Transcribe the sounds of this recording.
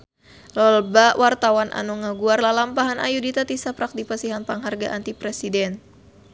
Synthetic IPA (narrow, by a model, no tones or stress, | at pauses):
ləlbawʔart̪awanʔa̰nɔŋaɡuarlalampaɦanʔa̰judit̪at̪isapɾak̚dipasiɦanpaŋɦarɡa̰ʔant̪ipɾɛsidɛn